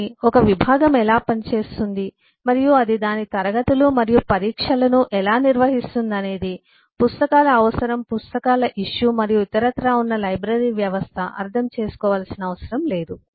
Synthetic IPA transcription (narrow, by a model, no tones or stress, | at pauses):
ɔkɐʋibʱaːɡɐmɛlaːpɐnit͡ʃe̞ːst̪und̪i | mɐɾijuɐd̪id̪aːnit̪ɐɾɐɡɐt̪ulumɐɾijupɐɾiːkʂɐlɐnuʔɛlaːniɾʋɐɦist̪und̪ɐne̞ːd̪i | pust̪ɐkaːlɐːʋɐsɐɾɐmpust̪ɐkaːlɐʔiʂːumɐɾijuit̪ɐɾɐt̪ɾaːunːɐlɐjbɾɐɾiːʋjɐʋɐst̪ʰɐʔɐ̰ɾt̪ʰɐmt͡ʃe̞ːsu̥kɔːʋaːlɐsinɐɐʋɐsɐɾɐmle̞ːd̪u